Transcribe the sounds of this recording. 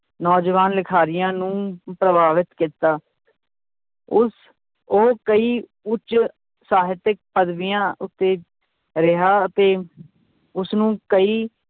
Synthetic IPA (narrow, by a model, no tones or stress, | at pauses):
nɔːd͡ʒʋaːnlɪkʰaːɾɪjãːnũːpɾəbaːʋɪt̪kit̪aː | ʊs | oːkəiː | ʊt͡ʃ | saːɦɪt̪ɪk̚pəd̪ʋijãːʊt̪ːeː | ɾɪɦaːət̪eː | ʊsnũːkəiː